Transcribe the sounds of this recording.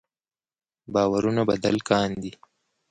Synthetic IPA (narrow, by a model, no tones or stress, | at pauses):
bɑːwaɾunaba̰d̪a̰lkɑːnd̪i